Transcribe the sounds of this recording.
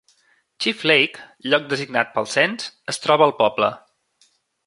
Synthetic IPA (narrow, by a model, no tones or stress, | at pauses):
t͡ʃiflejkʎɔk̚d̪əziɡnat̪̚pəlˠsɛnsəst̪ɾɔβəːlˠpɔblə̰